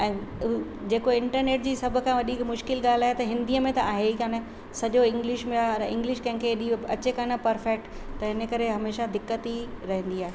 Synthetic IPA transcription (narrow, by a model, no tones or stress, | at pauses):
ɛ̃ː | d͡ʑeːkoɪ̃ɳʈəɾneːʈd͡ʑiːsɐbʱʊkʰãʋɐɗikmʊʃkɪlɠaːl̤aːɦet̪ɐɦɪ̃nd̪iːəmẽt̪ɐaːɦekaːn | sɐʄoɪ̃ŋɡlɪʃmẽaːɐɾɪ̃ŋɡlɪʃkɐ̃ɦɪ̃ŋkʰeɗiɐt͡ɕekãnɐpɐɾfɛk̚ʈt̪ːɐɦɪnəkɐɾeɦɐmeːʃad̪ɪkːət̪iɾɐɦə̃nd̪iaːɦeː